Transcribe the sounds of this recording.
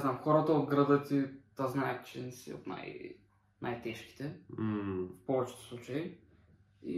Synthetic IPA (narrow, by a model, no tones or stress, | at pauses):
znamxɔɾət̪əod̪ɡɾəd̪ət̪it̪aznaɛt̪t͡ʃɛnɛsḭo̰t̪na̰j | nʔa̰jt̪ɛʃk̟i̥t̪ɛ | fpɔvɛt͡ʃɛ̥t̪ɛ̥slˠut͡ʃɐi | ḭ